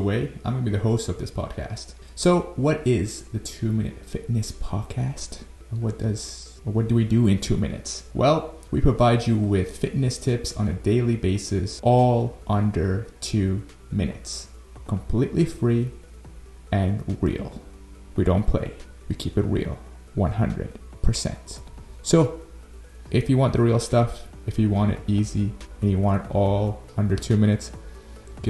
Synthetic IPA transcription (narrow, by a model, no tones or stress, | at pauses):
əweɪãɪ̃mɡʌnəbiðɨhoʊstʌvðɪspʰɑ̰d̥̚kʰæ̰st | soʊwʌɾɪzðɨtʰʉmɪ̃nɨ̰tfɪtⁿnɨspʰɑd̥̚kʰæst | wʌt̚d̥ʌz̥ | wʌt̚d̥ɨwidɨɪ̃ntʰʉmɪ̰nɨ̰tswʔɛ̰lˠ | wipʰɹ̥ɨvaɪd͡ʒɨwɪð̥fɪtⁿnɨstʰɪpsn̩ɨdeɪlˠibeɪsɨsʔɔlˠʔʌ̃ndə˞tʰʉ | mɪ̰̃nɨ̰ts | kʰə̃m̩pʰl̥iʔlifɹi | ɨ̃nɹḭlˠ | widõʊ̃npʰl̥ḛɪ | wikʰipɨt̚ɹḭlˠ | wʌ̃nɦʌ̰̃ndɹɨ̰d̥̚pʰə˞sɛ̰̃ntsoʊ | ʔɨfjɨwɑ̃nðɨɹilˠstʌf | ɨfjɨwɑ̃ɾ̃ɨ̰ɾiziɨ̃njɨwɑ̃nɾɔlˠʌ̃ndə˞tʰʉmɪ̃ɾ̃ɨts | ɡ̥ɛ